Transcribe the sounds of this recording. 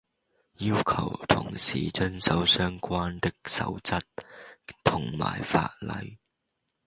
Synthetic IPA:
jiː˥wkʰɐ˨˩wt̪ʰʊ̰˨˩ŋsḭː˨˩t͡ʃɵ˥nsɐ˨˥wsœː˥ŋkʷaː˥nt̪ɪ˥k̚sɐ̰˨˥wt͡sɐ˥t̚t̪ʰʊ˨˩ŋma̰ː˨˩jfa̰ː˧t̚lɐ̰˨˧˥j

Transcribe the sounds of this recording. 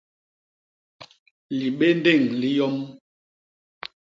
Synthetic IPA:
li˨ɓe˦n˦de˦˨ŋli˦jɔ˦m

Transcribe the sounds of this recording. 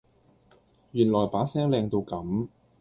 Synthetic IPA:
jyː˨˩nlɔː˨˩jpaː˨˥sɛː˥ŋlɛː˧ŋt̪o˧wkɐ˨˥m

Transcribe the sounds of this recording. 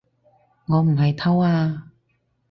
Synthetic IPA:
ŋɔː˨˧m̩˨˩ɦɐ˨jt̪ʰɐ˥waː˧

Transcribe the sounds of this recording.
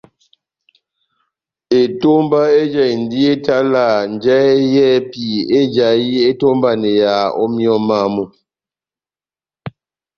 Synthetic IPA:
e˨to˦mba˦e˦d͡ʒɛ˦˨jn̩˨di˦e˦ta˦la˨n˨d͡ʒɛ˦jɛː˦pi˨e˦d͡ʒa˨ji˦e˦to˦mba˦˨ne˨ja˨ɔ̰˦mjɔ˦ma˦˨mu˦

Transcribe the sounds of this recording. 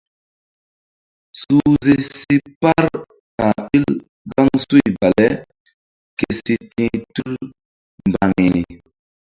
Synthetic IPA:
su˦ze˦si˦pa˦ɾ | ka˨i˦l | ɡɔ˦ŋsu˦i˨ba˨lɛ˦ | ke˨si˦tĩ˦tu˦l | m˨ba˨ŋi˨ni˨

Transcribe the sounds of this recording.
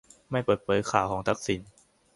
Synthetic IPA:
ma˥˩jpɤː˨˩t̪̚pʰɤː˨˦jkʰaː˨˩wkʰɔː˩˦ŋt̪ʰa˦˥k̚si˨˩˦n

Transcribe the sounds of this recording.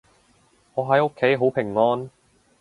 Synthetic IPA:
ŋɔː˨˧ɦɐ˨˥jo˥kʰːe˨˥jɦo˨˥wpʰɪ˨˩ŋːɔː˥n

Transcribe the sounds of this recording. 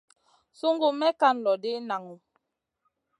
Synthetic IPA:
su˦ŋɡu˦mɛ˦ka˦˨n˨lɔ˨de˦na˨ŋu˨

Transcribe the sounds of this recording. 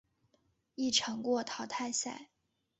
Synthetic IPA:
i˥˩ʈ͡ʂʰɤ˧˥ŋkwɔ˥˩t̪ʰɑ˧˥ʊt̪ʰa˥˧ɪsa̰˥˩ɪ

